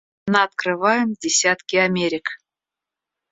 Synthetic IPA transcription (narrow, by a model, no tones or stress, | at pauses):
nəɐt̪krɨvajɪmdʲɪsʲat̪kʲɪamʲeɾʲɪk